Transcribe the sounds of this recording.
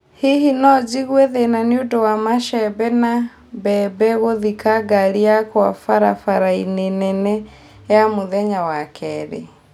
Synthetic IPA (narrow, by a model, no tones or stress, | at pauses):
hihinɔd͡ʒiɣwɛðenaniudɔwamaʃɛbɛna | bɛbɛɣoðikaɡaliakwa̰faɾafaɾainenɛnɛ | jamoðɛɲawakʰɛɾḛ